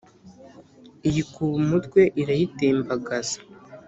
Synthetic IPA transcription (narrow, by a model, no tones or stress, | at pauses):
ijikuβumutkwe̞ʔiɾajiteːmbaɡaz̥ḁ